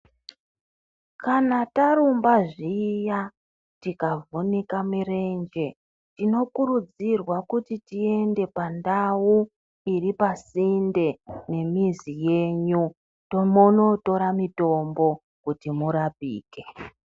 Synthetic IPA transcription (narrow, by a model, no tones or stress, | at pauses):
kanataɾumbaʐija | tikavonikamire̞nd͡ʒe̞ | tino̞kurud͡zirwakutitie̞nde̞pandawu | iripasinde̞ne̞mizije̞ɲu | tomono̞to̞ɾamito̞mbo̞ | kutimuɾapḭːke̞